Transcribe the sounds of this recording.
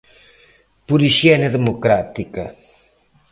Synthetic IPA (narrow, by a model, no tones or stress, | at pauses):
pulisianeðemokɾat̪ikɐ